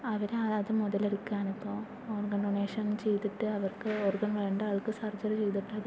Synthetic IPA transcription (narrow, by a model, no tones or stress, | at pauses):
ɐʋɐɾeɐɐðɨmuðɐleɾukːaːnipːo̞ː | oːrɡɐɳɖoɳeːʂɐnt͡ɕe̞jt̪ːiʈːɨɐʋɐrkɨoːrɡɐɳʋe̞ːɳɖɐʋɐɭkɨsɐrd͡ʑɐɾɨt͡ɕe̞jt̪̬ːiʈːɨɐð